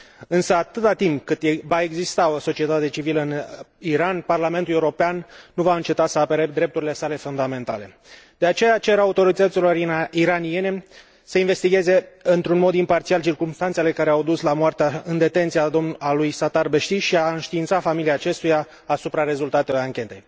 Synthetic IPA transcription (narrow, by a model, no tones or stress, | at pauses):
ɨnsəat̪ɨt̪at̪imp̚kɨt̪evae̞ɡzist̪ao̞so̞t͡ʃie̞t̪at̪e̞t͡ʃiviləɨniɾanparlame̞nt̪ule̞uɾopeanːuvaɨnt͡ʃe̞t̪asəape̞ɾed̪ɾe̞p̚t̪uɾile̞sale̞fund̪ame̞nt̪a̰le | d̪̥e̞at͡ʃe̞jat͡ʃe̞ɾaut̪o̞ɾit̪ət̪silo̞ɾiɾanie̞ne̞ | səinve̞st̪iɡʲe̞ze̞ɨnt̪ɾunmo̞d̪impart̪sialt͡ʃirkumst̪ant̪se̞le̞kaɾeawd̪uslamoart̪eaɨnd̪e̞t̪e̞nt̪sijad̪omalujsat̪arbe̞ʃt̪iʃiaɨnʃt̪iːnt̪safamiliaːt͡ʃe̞st̪ujaː | supɾaɾe̞zult̪at̪e̞lojaŋkʲe̞t̪e̞̰j